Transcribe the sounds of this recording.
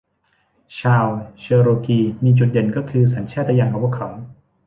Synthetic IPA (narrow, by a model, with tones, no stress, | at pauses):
t͡ɕʰaː˧˩wt͡ɕʰɤː˧ɾoː˧kiː˧miː˧t͡ɕu˨˩t̪̚de˨˩˦nkɔː˥˩kʰɯː˧saː˩˦nt͡ɕʰaː˥˩a˧jaː˧˩ŋʔa˨˧˩wa˥˩kʰɔ˩˦w